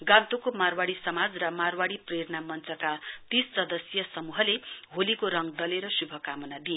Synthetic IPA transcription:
ɡant̪okomarwaɽisʌmad͡zrʌmarwaɽipreɾnamʌnt͡sʌkat̪isːʌd̪ʌsjʌsʌmuɦʌleɦolikoɾʌŋd̪ʌleɾʌsubʱʌkamʌnad̪ie

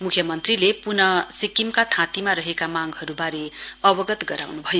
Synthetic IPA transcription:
mukʰjʌmʌnt̪rilepunʌsikimkat̪ʰãt̪imaɾʌɦekamaɡɦʌɾubaɾeʌbʌɡʌt̪ɡʌɾa̰wnubʱʌjo

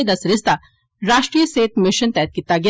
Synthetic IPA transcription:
d̪ɐsɾɪst̪a | ɾaːʃʈɾijəseːt̪mɪʃənt̪ɛːt̪̚kɪt̪ːaɡɪ

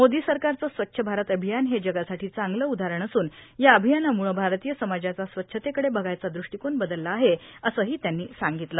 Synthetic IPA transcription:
mod̪iːsəɾkaɾt͡səːsʋətːɕʰəbʱaɾət̪əbʱijanɦed͡ʑəɡasaʈʰiːt͡saŋɡləud̪ʱaɾəɳəsuːnjaəbʱijanamuɭəbʱaɾt̪ijəsəmad͡ʑat͡sasʋətːɕʰət̪ekəɽebəɡajt͡sad̪ɾuʂʈikonbəd̪əlːaːɦeəsəːɦiːt̪janːiːsaŋɡit̪ləː

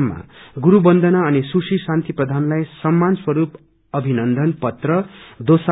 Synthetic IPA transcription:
mːa̰ɡuɾubʌnd̪ʱʌnaʌnisusisãnt̪iprʌd̪ʱanlajsʌmːanswʌɾup | ʌbʱinʌnd̪ʱʌnpʌt̪rʌd̪osa

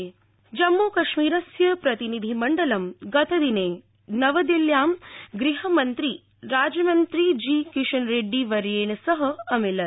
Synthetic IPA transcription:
d͡ʒɐmːoːkɐʃmiːɾɐsjɐpɾɐt̪inid̪ʱimɐɳɖɐlɐmɡɐt̪ʰɐd̪ineː | nɐʋɐd̪iljaːmɡɾiɦɐmɐnt̪ɾi | ɾaːd͡ʒjɐmɐnt̪ɾid͡ʒiːkiʃɐnɾeːɖːiʋɐɾjeːɳɐsɐɦɐɐmilɐ

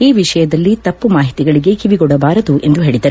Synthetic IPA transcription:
iːʋiʂɐjɐd̪ɐlːit̪ɐpːumaːɦit̪iɡɐɭiɡe̞kiʋiɡɔɽɐbaːɾɐd̪uʔe̞nd̪uɦeːɭid̪ɐɾ

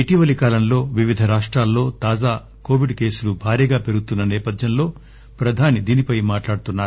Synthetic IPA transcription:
iʈiʋɐlikaːlɐmlo̞ːʋiʋid̪ʱɐɾaːʂʈɾaːlːo̞ːt̪aːd͡ʒaː | ko̞ːʋiɖke̞ːsulubʱaːɾiːɡaːpe̞ɾuɡut̪unːɐnɛːpɐd̪ʱjɐnlo̞ː | pɾɐd̪ʱaːnid̪iːnipɐjmaːʈlaːɽut̪unːaːɾu

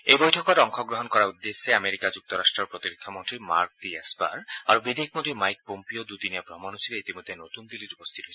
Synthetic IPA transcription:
ejbojʈʰɔkɔɾɔŋkʰoɡɾoɦonkɔɾaud̪ːesːeameɾikad͡ʑuk̚t̪oɾaʃʈɾoɾpɾot̪iɾikʰːamont̪ɾima̰ɾk̚tiesba̰ɾaɾobid̪ek̚ʰmoʈ̪imajk̚pompiod̪ut̪inijabɾɔmanusiɾeit̪imod̪ʱːenot̪und̪iliɾupost̪ʰit̪oj

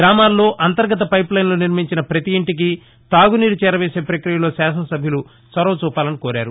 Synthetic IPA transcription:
ɾaːmaːlːo̞ːʔɐnt̪ɐɾɡɐt̪̬ɐpɐjplɐjnlo̞ːniɾmiɲt͡ʃinɐpɾɐt̪ijiɳʈik̬i | t̪aːɡuniːɾut͡ʃɛːɾɐʋeːse̞ːpɾɐkɾijɐlo̞ːsaːsɐnɐsɐbʱjɐlu | sɐɾɐʋɐt͡ʃuːpaːlɐnikoːɾaːɾu

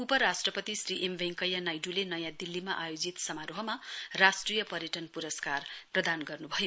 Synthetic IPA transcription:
upʌɾasʈrʌpʌt̪isriʔembʱeŋkʌjanajɖulenʌjãd̪ilːimaʔajod͡zit̪sʌmaɾoɦʌmarasʈrijʌpʌɾjʌʈʌnpuɾʌskarprʌd̪anɡʌrnubʱʌjo

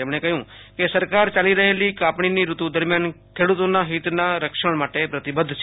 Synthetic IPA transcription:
ɪmɽẽːkəɦjõː | kɪsəɾkaːɾt͡ʃəliːɾəɦeːliːkaːpɳiːniːɾʊt̪ũd̪əɾmjaːnkʰeːɽʊt̪oːnãːɦiːt̪nãːɾəkʃəɳ̃maːʈeːpɾət̪ɪbəd̪ʱs

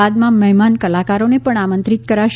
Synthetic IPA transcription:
ad̪mãməɦɛmankəlakaɾonepəɳamənt̪ɾit̪kəɾaʃ

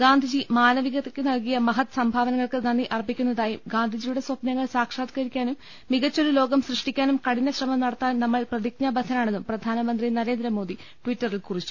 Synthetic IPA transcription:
ɡaːnd̪ʱid͡ʑimaːnɐʋiɣɐt̪ːekʲːɨnɐlkijɐmɐɦɐt̪ːɨ̥sɐmbʱaːʋɐnɐŋːɐɭkɨnɐnːiʔɐrbikʲːunːɐðaːjiɡaːnd̪ʱid͡ʑijuɽe̞swɐpnɐŋːɐɭsaːkʂaːd̪kɐɾikʲːaːnumː | iɣɐt͡ɕːo̞ɾulo̞ːɡɐmsrɨʂʈikʲːaːnumkɐɽinːɐɕrɐmɐmnɐɽɐt̪ːaːnnɐmːɐɭprɐd̪ik̚ɲɐbɐsɐnaːɳe̞nːuprɐd̪ʱaːnɐmɐnd̪rinɐɾe̞ːnd̪ɾɐmo̞ːd̪i | ʈwitːɐrilkurit͡ɕːu̥

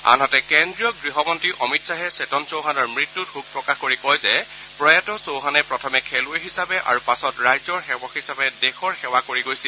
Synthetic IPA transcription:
a̰nɦɔtɛkɛndɹijɔɡɹiɦɔmɔntɹiʔɔmitsaɦɛsetɔnsowɦanɔɹmɹitːutxuk̚pɹɔkaxkoɹikɔjzɛ | pɹɔjatɔsowɦanɛpɹɔtʰɔmɛkʰɛlʊjɦisabɛʔa̰ɹupasɔtɹajzɔɹxɛwɔxisabɛdɛxɔɹxɛwakoɹiɡojsil

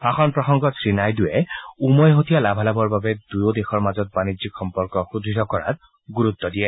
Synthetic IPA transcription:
paxɔnpɹɔxɔŋɡɔtsɹinajdʊjɛumɔjɦotijalabʱalabɔɹbabɛd̥ujodexɔɹmazɔt̚banizikxɔmpɔɹkɔxudʱitɔkɔɹa̰t̚ | ɡuɹut̪ːɔdijɛ

